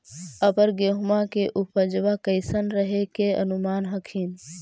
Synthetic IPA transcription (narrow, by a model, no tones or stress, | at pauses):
əpəɾɡeɦmakeʔupəd͡ʒʋakəɪsənɾəɦekeə̰numaːnɦəkʰiːn